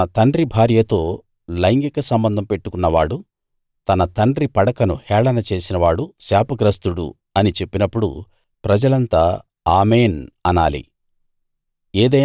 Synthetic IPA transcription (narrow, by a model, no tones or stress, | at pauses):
ɐt̪ɐɳɖɾibʱaːɾjɐt̪o̞ː | lɐjŋɡikɐsɐmbɐnd̪ʱɐmpeʈːukunːɐʋaːɽu | t̪ɐnɐt̪ɐɳɖɾipɐɽɐkɐnṵhɛːɭɐnɐt͡ʃe̞ːsinɐʋaːɽusaːpɐɡɾɐst̪uɽṵ | ɐnit͡ʃe̞pːinɐpːuɽṵ | pɾɐd͡ʒɐlɐnt̪aː | aːmeːnɐnaːlḭ | eːd̪ɐ